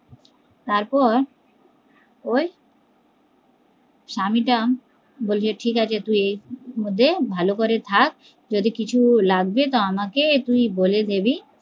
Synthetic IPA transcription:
t̪aɾpɔɾ | oj | ʃamiʈam | bolt͡ɕʰeʈʰikat͡ɕʰet̪ujejmod̪ʱːebʱalokoɾet̪ʰak̚ | d͡ʑod̪ikit͡ɕʰulaɡ̚bet̪oamaket̪ujboled̪ebi

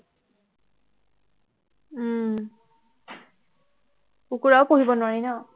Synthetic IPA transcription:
ukuɹaʊpoɦibɔnʊwaɹinɔ

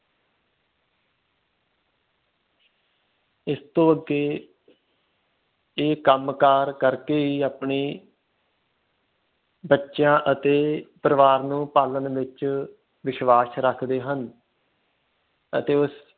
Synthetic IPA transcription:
ɪst̪õːəɡeː | eːkəmkaːɾkəɾkeːiːaːpɳiː | bətːʃjãːʔət̪eːpəɾəʋaːɾnũːpaːlənʋɪt͡ʃ | ʋɪʃʋaːsɾəkʰd̪eːɦən | ət̪eːʊs

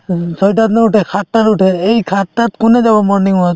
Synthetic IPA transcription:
sɔjʈat̪neuʈʰɛkʰat̪ːaɾuʈʰeejkʰat̪ːat̪kuned͡ʒabamɔɾniŋa

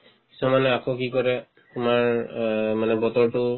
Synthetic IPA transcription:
ki̥sɔmanɛakʰɔkikɔɹɛ | tʊmaɹmanɛbɔtɔɹtʊ

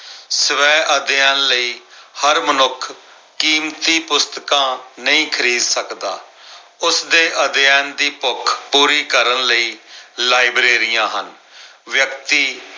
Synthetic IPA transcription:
səʋɛːʔəd̪jɛːnləiːhəɾmənʊkʰ | kiːmt̪iːpʊst̪kãːnəĩːkʰəɾiːd̪səkd̪aː | ʊsd̪eːʔəd̪jɛːnd̪iːpʊkʰpuːɾiːkəɾənləiːlaːibɾeːɾɪjãːɦən | ʋjəkt̪iː

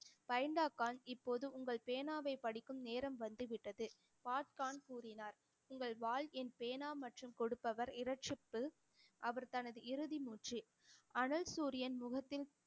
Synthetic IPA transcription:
pɐjɐɳɖaːkːaːnɪpːoːðɯʊŋɡɐɭpeːnaːʋɐɪpɐɽɪkːɯmneːɾɐmʋɐnd̪ɯʋɪʈːɐðɯ | paːʈkaːnkuːɾɪnaːɾ | ʊŋɡɐɭʋaːlɛnpeːnaːmɐʈrɯmkɔɽɯpːɐʋɐɾɪɾɐʈ̚t͡ʃɪpːɯ | ʔɐʋɐɾt̪ɐnɐðɯʔɪɾɯðimuːʈri | ɐnɐlsuːɾɪjɐnmʊɣɐt̪ːɪl

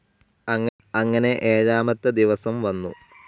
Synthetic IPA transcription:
ɐŋː | ɐŋːɐne̞ʔeːɻaːmɐt̪ːɐd̪iʋɐsɐmʋɐnːṵ

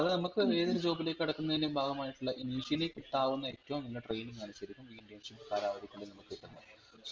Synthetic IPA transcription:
ɐðɨnɐmukːɨeːðɐɾd͡ʑoːbile̞ːkːɐɽɐkːunːɐðinːembʱaːɡɐmaːjiʈːuɭːɐʔiniːʂijilekːiʈːaːʋunːɐe̞tːɐʋomninːɐʈre̞jniŋɡɐnusɐɾikʲːumʋiːɳɖijɐnʂipːkaːɾaːʋɐd̪ikʲːuɭːɖenɐmukːɨeʈːɐnːɐ

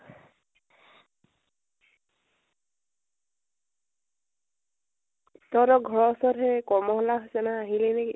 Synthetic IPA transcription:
tɔɾɔɡʱɔɹɔsɔɾɦɛkɔɹmɔɦɔlaɦosɛnaːɦilɛnɛki

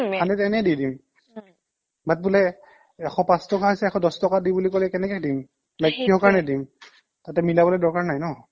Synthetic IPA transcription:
kʰanɛtɛnɛdidim | bat̚bulɛ | ɛxʰɔ̃pãstɔkaɦɔjsɛɛkʰɔ̃dɔstɔkadibulikolɛkɛnɛkɛdim | lajkːiɦɔkaɹnɛdim | tatɛmilabɔlɔdɔɹkaɹnajnɔ

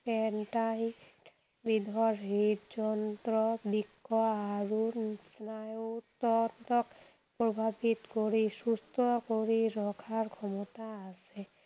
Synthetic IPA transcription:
pɛnʈaj | bid̪ʱɔɾɦit̪d͡ʒɔnt̪ɾɔbikʰːɔaɾusnajot̪ɔnt̪ɔk | pɾobʱabit̪koɾisust̪ʰɔkoɾiɾɔkʰaɾkʰɔmɔt̪aase

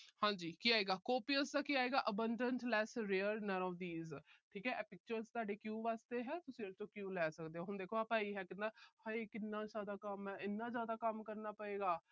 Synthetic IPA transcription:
hãːd͡ʒiːkiːaːeːɡaːkoːpiəsd̪aːkiːaːeːɡaːʔəbəɳɖəɳʈlɛːsɾeːəɾnənɔːʋd̪iːzʈʰiːkɛːʔɛːpɪk̚t͡ʃəɾzt̪aːɖeːkjũːʋaːst̪eːɦɛːt̪ʊsĩːɾt͡ʃõːkjũːlɛːsəkd̪eːɦõːɦʊnd̪eːkʰoːaːpãːiːɦɛːkɪnd̪aːhaekɪnːãːzaːd̪aːkəmɦɛːɪnːãːzjaːd̪aːkəmkəɾnaːpəeːɡaː

